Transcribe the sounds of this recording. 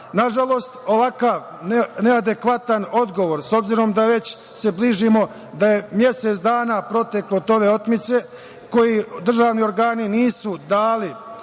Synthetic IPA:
naʒalˠo̞ːst̪o̞ʋakaʋ | nenead̪e̞kʋat̪ano̞d̪ɡo̞ʋoɾso̞bziɾo̞md̪aʋe̞t͡ɕ | se̞bliːʒimo̞ | d̪aje̞mje̞se̞t̪sd̪aːnapɾo̞t̪e̞klot̪o̞ʋe̞o̞t̪mit̪se̞ | ko̞jid̪r̩ʒaːʋnio̞ɾɡaːniniːsud̪aːli

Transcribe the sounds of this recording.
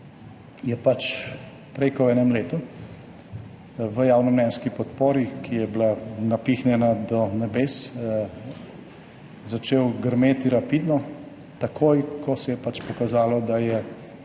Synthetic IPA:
jɛpat͡ʃ | pɾɛjkɔwɛːnɛmleːt̪u | ʋəjaːwnɔmnɛnskipɔt̪poːɾikʰijɛblanapiːxnjɛnad̪ɔnɛbeːs | zat͡ʃeːwɡəɾmeːt̪iɾapid̪nɔ | t̪akʰoːjkʰɔsɛjɛpat͡ʃpɔkazaːlɔd̪ajɛ

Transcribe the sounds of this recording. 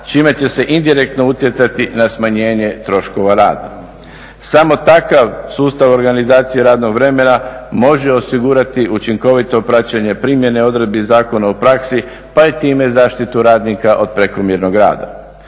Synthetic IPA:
t͡ʃime̞t͡ɕe̞se̞ʔind̪iɾe̞k̚t̪no̞ut̪je̞t̪sat̪inasmaɲe̞ːɲe̞t̪ɾo̞ʃko̞ʋaɾa̰ːd̪a̰ | samo̞t̪akaʋsuːst̪aʋo̞ɾɡanizaːt̪sijeɾaːd̪no̞ɡʋɾe̞me̞namo̞ʒeo̞siɡuɾat̪iʔut͡ʃiŋko̞ʋit̪o̞pɾat͡ɕeɲe̞pɾiːmje̞neo̞d̪ɾe̞d̪̚bizaːko̞naupɾaksi | pait̪iːme̞zaːʃt̪it̪uɾaːd̪nikaʔo̞d̪̚pɾe̞komjeɾno̞ɡɾa̰ːd̪a̰

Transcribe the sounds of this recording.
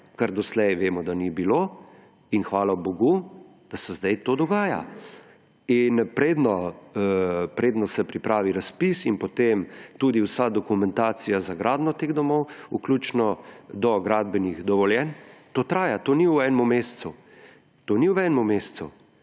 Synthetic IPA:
kaɾd̪ɔslɛjʋeːmɔd̪anibilo | inxʋaːlaboɡu | d̪̥asɛzd̪ajt̪oːd̪ɔɡaːja̰ | inpɾeːd̪nɔ | pɾeːd̪nɔsɛpɾipɾaːʋiɾaspisinpɔt̪emt̪uːd̪iwsad̪ɔkumɛnt̪aːt̪sijazaɡɾaːd̪nɔt̪eːɣd̪ɔmɔwṵklʲut͡ʃnɔd̪ɔɡɾaːd̪bɛniɣd̪ɔʋɔljɛnt̪oːt̪ɾaːjat̪oːniwɛːnmumessu | t̪oːniwɛːnɛmumest̪su

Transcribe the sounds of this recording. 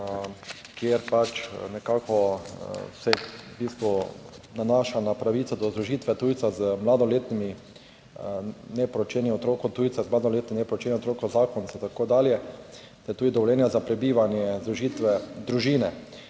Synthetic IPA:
kjeɾpat͡ʃnɛkaːkɔ | sɛbist̪ʋɔnanaːʃanapɾaʋiːt̪sɔd̪ɔzɾuʒiːt̪ʋɛt̪uːjt̪sazmlad̪ɔleːt̪nimi | nɛpɾɔt͡ʃɛniɔt̪ɾoːkɔt̪uːjt̪sazmlaːd̪oleːt̪ninɛpɾot͡ʃɛːniot̪ɾoːkɔzaːkɔnsɛt̪akoːd̪aːljɛ | t̪ɛɾt̪uːd̪id̪ɔʋɔljɛːnjazapɾɛbiːʋanjɛzɾuʒiːt̪ʋɛd̪ɾuʒiːnɛ

